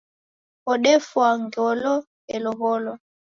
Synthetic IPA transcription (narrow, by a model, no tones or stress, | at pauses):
ɔɗɛfwaŋɡɔlɔ | ɛlɔɣɔlɔ